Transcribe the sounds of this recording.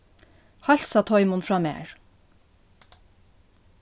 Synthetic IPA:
hɑʎsɑt̪ʰɔʏmʊnfɹɑːmḛːɹ

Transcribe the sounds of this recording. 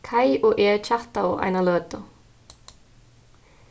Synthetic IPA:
kʰajɔɣʔɛːɾt͡ɕʰaht̪aa̰jnalœːt̪a

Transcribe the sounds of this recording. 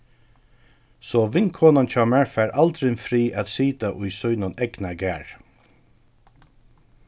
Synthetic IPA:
sɔːʋɪŋkʰoːnant͡ʃʰɑːmæɹfæːɹalt̪ɾɪnfɾiːʔæt̪siːt̪aʔʊjsɔjnʊnɛɡnaɡæːɹ

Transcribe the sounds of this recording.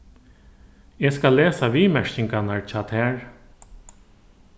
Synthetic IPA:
eːskalːeːsaʋiːmɛʂcɪŋkanaɹt͡ɕʰɑːt̪hæːɹ

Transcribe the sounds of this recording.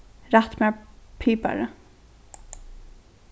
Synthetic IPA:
ɾat̪mɛpʰiːpa̰ɾə

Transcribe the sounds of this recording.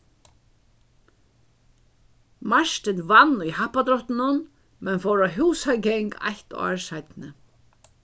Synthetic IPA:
maʂt̪ɪnvanujhahpːat̪ɾɔht̪ɪnʊn | mɛnfowɾaɦuːsaɡɛŋka̰ht̪ɔ̰ːɹsajt̪nɪ

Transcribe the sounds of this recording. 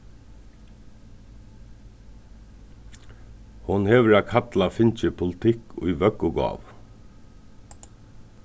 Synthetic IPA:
hʊnhɛːʋəɹakʰat̪lafɪnt͡ʃɪpʰʊlɪt̪ʰɪkʊ̰jʋœkʊɡɔ̰ːʋ

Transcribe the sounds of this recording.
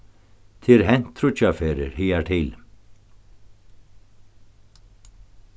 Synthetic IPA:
t̪ʰɪlɦɛn̥t̪ʰɾut͡ɕafɛːɾɪ̰ɾ̥hiːjat̪ʰɪl

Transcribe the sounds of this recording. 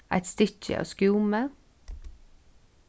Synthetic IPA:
ʔæ̰ɪt̪st̪ʏçə̰ʔɑ̰ːskuːmə

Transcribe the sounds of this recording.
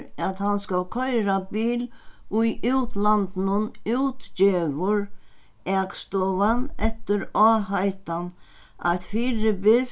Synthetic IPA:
at̪hanskalkʰœjɾabiːlʊjʔuwt̪lant̪nʊnuwt̪t͡ʃɪʋʊɾ | ɛːkst̪ɔːvanɛht̪ɪɾɔːhajt̪an | a̰jt̪fiːɾɪbɪs

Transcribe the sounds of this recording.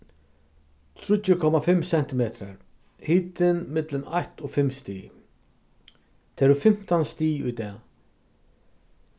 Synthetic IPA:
t̪ʰɾʏt̪jʏkʰɔmafɪmːsɛn̥t̪ɪmeːt̪ɾaɾ | hiːt̪ɪnmɪt̪lɪnaht̪ɔɣfɪmːst̪iː | t̪ʰɛɾʏfɪm̥t̪anst̪iːʊjt̪ɛː

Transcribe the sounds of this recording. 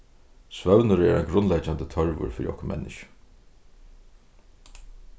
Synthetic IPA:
svœwnʊɾɛ̰ɾajɡɾʊnlɛt͡ʃant̪ət̪ʰœɹvʊ̰ɾfɪːɾiɔhkʊmʔɛ̰nːɪʃə̥

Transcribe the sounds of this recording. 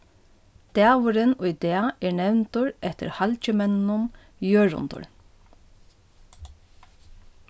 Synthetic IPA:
d̪̥æːʋʊɾɪnʊjd̪ɛːaɛɹnɛwnt̪ʊɹɛht̪ɪ̰ɾhalt͡ʃɪmɛnːʊm | jøːɹʊ̰nt̪ʊ̰ɹ

